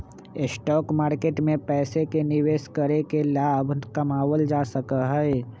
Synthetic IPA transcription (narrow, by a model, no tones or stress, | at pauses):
ɪsʈɔːkmaːɾkeːʈmẽpɛːsekenɪʋeːskəɾekelaːbʱnkɐmaːwəld͡ʒaːsəkəɦɛː